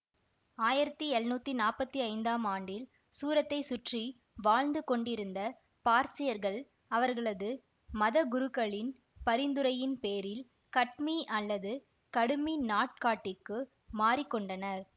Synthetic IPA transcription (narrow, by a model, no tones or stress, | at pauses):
aːjɪɾɐt̪ːɯɛɻnuːt̪ːinaːpɐt̪ːiɐɪnd̪aːmaːɳɖɪl | suːɾɐt̪ːɐɪsʊʈri | ʋaːɻnd̪ɯkɔɳɖɪɾɯnd̪ɐ | paːɾsɪjɐɾɣɐɭ | ɐʋɐɾɣɐɭɐðɯ | mɐðɐɡʊɾɯkːɐɭɪn | pɐɾɪnd̪ɯɾɐjɪnpeːɾɪl | kɐʈ̚miʔɐlːɐðɯ | kɐɽɯminaːʈ̚kaːʈːɪkːɯ | maːɾɪkːɔɳɖɐnɐɾ